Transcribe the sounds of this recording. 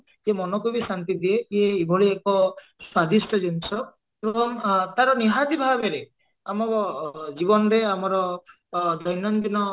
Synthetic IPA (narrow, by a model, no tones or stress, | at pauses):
iemɔnɔkubisant̪id̪ieieibʱɔɭiekɔ | swad̪isʈʰɔd͡ʒinsɔ | ɾɔŋt̪aɾɔniɦad̪ibʱabeɾe | amɔkɔd͡ʒibɔnɔɾeamɔɾɔ | d̪ɔjnɔnd̪inɔ